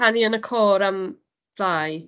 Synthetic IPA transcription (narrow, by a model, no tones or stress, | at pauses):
aniənəkʰoːɾam | vlaːj